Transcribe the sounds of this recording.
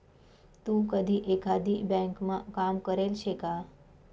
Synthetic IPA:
t̪ũːkəd̪ʱiʔekad̪ʱibɛ̃ŋkmãkamkəɾelɕʰeka

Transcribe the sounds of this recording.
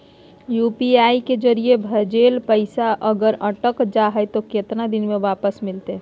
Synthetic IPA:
jupiaiked͡ʒəɾijebʱəd͡ʒelpəɪsaʔəɡəɾəʈəkd͡ʒaɦəjt̪oket̪nad̪inmeʋapəsmɪlt̪e

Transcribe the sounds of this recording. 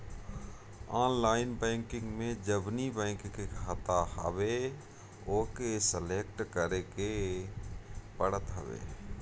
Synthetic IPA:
aːnlaːɪnbɛ̃ːŋkɪ̃ŋɡmẽd͡ʒəbnibɛ̃ːŋkkekʰat̪aɦə̰ʋe | oːkesəleːkʈkəɾeke | pəɽət̪ɦə̰ʋḛː

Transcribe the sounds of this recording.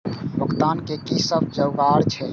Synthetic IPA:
bəkt̪aːnkekisəb̚ʱd͡ʒəwɡaːɾt͡ʃʰɛ

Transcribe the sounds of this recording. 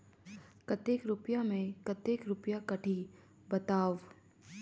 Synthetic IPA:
kɐt̪eːkɾʊpjamẽkɐt̪eːkɾʊpjakɐʈʰi | bɐt̪aːʋ

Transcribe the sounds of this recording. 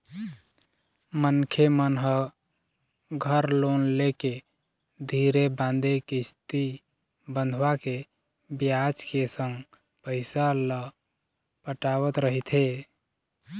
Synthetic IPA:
mənkʰemənɦə | ɡʱəɾlonleke | d̪ʱiɾebãnd̪ekist̪i | bənd̪ʱʋake | bjat͡ʃkesə̃ŋɡ | pəɪsalə | pəʈaβət̪ɾəɦit̪ʰe

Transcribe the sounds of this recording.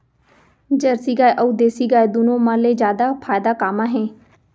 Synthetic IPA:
d͡ʒəɾsiːɡaːeʔəuːd̪eːsiːɡaːed̪ʊnõːmãːleːd͡ʒjaːd̪aːpʰaːjd̪aːkaːmãːɦẽː

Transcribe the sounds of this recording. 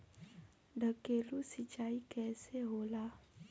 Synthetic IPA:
ɖʱəkeːlusɪt͡ʃaːikɛːseɦoːlaː

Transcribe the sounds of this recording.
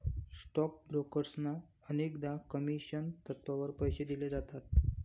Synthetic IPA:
sʈɔk̚bɾokəɾsna | ənekd̪akəmiɕənt̪ət̪ʋaʋəɾpəjɕed̪iled͡zat̪at̪̚

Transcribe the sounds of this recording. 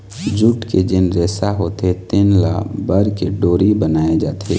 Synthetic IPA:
d͡ʒʊʈked͡ʒɪnɾeːsaɦoːt̪et̪ɪnla̰bəɾkeɖoːɾibənaːed͡ʒaːt̪ʰḛː

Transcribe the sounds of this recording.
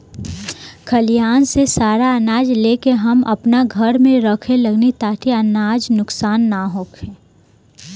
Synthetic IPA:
kʰɐlijaːnsesaːɾaɐnaːd͡ʒleːkeɦɐmʔɐ̰pnaɡʱɐɾmẽɾəkʰelɐɡnet̪aːʈʰiəɐnaːd͡ʒnʊksaːnːaɦoːkʰeː

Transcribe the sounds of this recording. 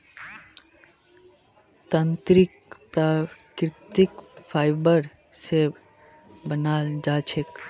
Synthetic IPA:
t̪ənt̪ɾikpɾakɾt̪ikpʰajbəɾ | se | bənald͡ʒat͡ʃʰek

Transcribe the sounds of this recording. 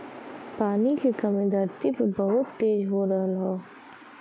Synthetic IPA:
paːnikekɐmẽd̪ʱəɾt̪ipɐbɐɦʊt̪ːeːd͡ʒɦoɾɐɦəlɦoː

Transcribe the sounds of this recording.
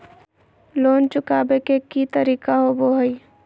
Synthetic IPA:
loːnt͡ʃʊkaːbekekit̪əɾiːkaɦoboɦəi

